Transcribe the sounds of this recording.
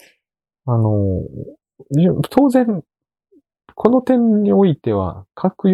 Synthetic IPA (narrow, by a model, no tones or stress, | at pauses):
ano̞ | t̪ʰo̞ːzẽ̞ŋ | kʰo̞no̞t̪ẽ̞ɲɲːio̞it̪e̞β̞a̰kʰakɯ̟j